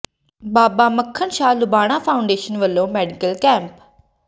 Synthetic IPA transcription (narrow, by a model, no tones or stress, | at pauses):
baːbaːməkʰːənʃaːlʊbaːɽ̃aːpʰaːʊ̃ɳɖeːʃənʋəlːõːmɛːɖɪkəlkɛ̃ːmp